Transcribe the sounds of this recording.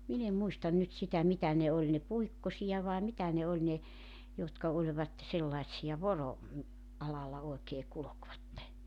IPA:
min em muistɑn nyt sitæ mitæ ne olʲ ne puikːosijɑ ʋɑe mitæ ne olʲ ne jotkɑ olʲʋɑt selːɑĭtsiɑ ʋoro ɑlɑlːɑ oekeː kulokʋɑtːe

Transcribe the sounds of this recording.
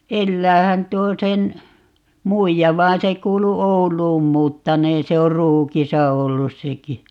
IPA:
elːæːhæn tuo sen muijɑ ʋɑːn se kuːlu oulˑuːn muːtːɑneːn se or ruːkisɑ olːus seki

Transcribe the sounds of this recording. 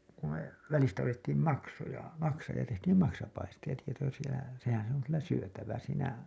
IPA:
ku me ʋælistæ otetːiːm mɑksojɑ mɑksɑː jɑ tehtiːm mɑksɑpɑistij̆ɑ sehæn̞ se oŋ kylːæ syøtæʋæ siːnæ

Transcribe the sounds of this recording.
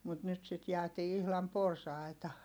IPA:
mut nyt sit jæːtiː ihlɑm porsɑˑitɑ

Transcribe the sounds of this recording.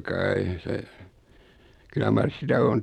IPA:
kɑi se kylːæ mɑrs sitæ on

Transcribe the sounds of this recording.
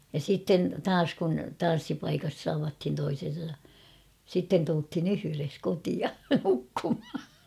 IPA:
jɑ sitːen tɑːs kun tɑn̞sːipɑikɑs tɑʋɑthin toisen̞sɑ sitːen tulthin yhyres kotiɑ nukːumhɑ

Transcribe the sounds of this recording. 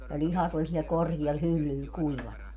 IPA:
jɑ lʲihɑtʲ olʲ siɛl korkiɛl hylːyl kuiʋɑnɑ

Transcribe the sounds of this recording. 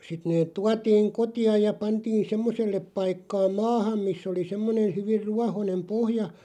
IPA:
sit neːt̆ tuɑtiːŋ kotiɑj jɑ pɑntiːn semːoselːep pɑikːɑː mɑːhɑm misː oli semːonen̞ hyʋir ruɑhonem pohjɑ

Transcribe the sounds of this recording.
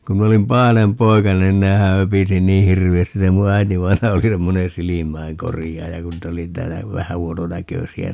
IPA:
ku min olim pɑhɑnem poikɑnen nehæ høpisi niː hirʋiæstis se mu æitiʋɑinɑjɑ oli semːoneː silimæiŋkorijɑːjɑ kun niːt oli tæːlːæ ʋæhæ huononækøsiæ

